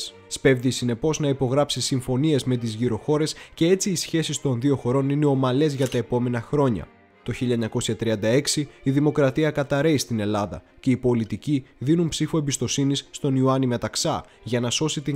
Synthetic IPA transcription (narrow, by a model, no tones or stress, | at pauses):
spe̞vðisine̞po̞znɐipo̞ɣɾɐpsisiɱfo̞nie̞zme̞t̪̬izʝiɾo̞xo̞ɾe̞sce̞e̞t͡siːsçe̞sist̪o̞nðio̞xo̞ɾo̞nine̞o̞mɐle̞zʝɐt̪ɐe̞po̞me̞nɐxɾo̞ɲɐ̰ | t̪o̞çiʎɐeɲɐko̞sçɐt̪ɾiɐnd̪ɐe̞ksiiðimo̞kɾɐt̪iɐkɐt̪ɐɾe̞ist̪ine̞lɐðɐ̰ce̞ipo̞lit̪iciðinumpsifuembist̪o̞sinisːt̪o̞niuɐnimet̪ɐksɐ | ʝɐnɐso̞sit̪i